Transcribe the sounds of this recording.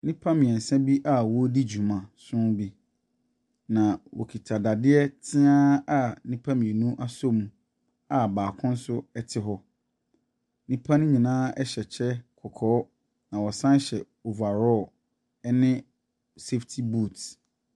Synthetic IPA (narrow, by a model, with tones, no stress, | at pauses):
nĩ˦pʰa˦mɪ̃˨ɛ˨n̩˨sɛ̃˦bi˦ʔa˦wɔ˦di˦d͡ʑu˨mã˨sʊ̃˦bi˦ | nã˨wɔ̰˨kʰi˨tʰa˨da˨dɪ˦ɛ˦tʰɪ̃˦ãː˦a˦˨nĩ˦pʰã˦mĩ˨ɛ˨nũ˦ʔa˦so˦mũ˨ | a˨baː˨kʰʊ̃˦n̩˦sʊ˦ɛ˦tʰɪ˦ɦɔ˦ | nĩ˦pʰã˦nʊ̃˦ɲĩ˨nãː˦ɛ˦ɕɛ˨t͡ɕʰɛ˦kʰɔ˨kʰɔː˨˦ | nã˨wɔ˨sã˦n˦ɕɛ˨ | o˨va˨ɾɔ˦˨ | ɛ˦nɪ̃˦ | se˦ftʰi˦bu˦˨t